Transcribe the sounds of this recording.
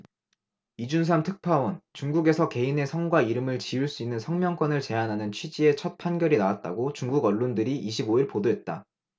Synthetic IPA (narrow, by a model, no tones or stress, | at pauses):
id͡ʑuns̬ʰamtʰɯk̚pʰawʌnt͡ɕuŋɡuɡe̞sʰʌke̞ine̞sʰʌŋɡwaiɾɯmɯɭt͡ɕiuɭs͈uinːɯnsʰʌŋmjʌŋk͈wʌnɯɭt͡ɕe̞anɦanɯnt͡ɕʰɥid͡ʑie̞t͡ɕʰʌt̚pʰanɡjʌɾinawat̚t͈a̰ɡot͡ɕuŋɡuɡʌɭːondɯɾiʔiɕ̬ʰiboiɭpodoɦe̞t̚t͈a̰